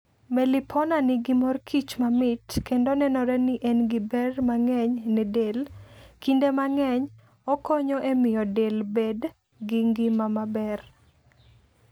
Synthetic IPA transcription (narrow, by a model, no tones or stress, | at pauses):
mɛlɪpʰɔnanɪɡimɔrkʰit͡ʃmamɪtkendonɛnɔɾɛniʔɛnɡɪbɛrmaŋɛɲnɛdelkindemaŋɛɲ | ɔkɔɲɔʔemɪjɔdelbed | ɡɪŋɡɪmamabɛr